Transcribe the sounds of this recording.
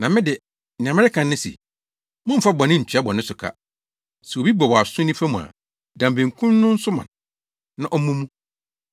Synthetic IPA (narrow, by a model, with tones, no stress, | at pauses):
nã˨mɪ̃˦dɪ˨ | nɪ̃˨ã˨mɪ̃˦ɪ˦kʰã˨nːɪ̃˦sḭ˨ | mʊ̃˦m̩˨fa˦bɔ̃˨nɪ̃˦ɲ̩˨t͡ɕʰᶣa˦bɔ̃˨nɪ̃˦sʊ˨kʰa̰˦ | sɛ˨wo˨bi˦bɔ˨wɔ˨a˨sʊ̃˦nɪ̃˦fa˦mũ˨a̰˨ | dã˨mbẽ˨ŋ̩˨kʰũ˦nnʊ̃˦n̩˦sʊ˦mã̰˨n | nã˨ʔɔ˦mũ˦mũ˦